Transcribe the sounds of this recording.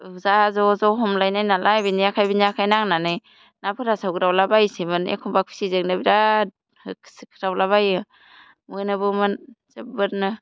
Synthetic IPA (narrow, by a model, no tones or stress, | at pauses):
zazɔzɔɦɔmlajnajnalʔajbinijakʰajbiniakʰajnaŋnanɯj | napʰɯɾasawɡɯɾawlabajsimɯnḛkʰɔmbak̚pʰi̥sizeknɯbiɾa | kʰskʰɯ̥ɾawlaβajɯ | mɯjnɯbɯmɯnzebɯɾnɯ